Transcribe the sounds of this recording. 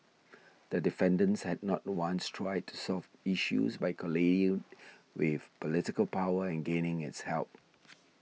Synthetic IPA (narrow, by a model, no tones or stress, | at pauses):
d̪̥ədɪfɛ̃ndə̃nshɛdnɔt̚wãnstʰɹaɪd̚tʰu̥sɔfiʃṵzbaɪkʰəleɪ̃ŋ | wɪð̥pɔlɪtɪkəlpaʊəɛ̃nɡẽnɪ̃ŋɪtshɛ̰lˠp̚